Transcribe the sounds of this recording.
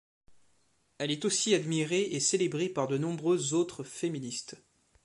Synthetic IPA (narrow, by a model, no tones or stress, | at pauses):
ɛlɛt̪osiad̪miʁeʔeselebʁepaʁd̪ənɔ̃bʁøzot̪χəfeminist̪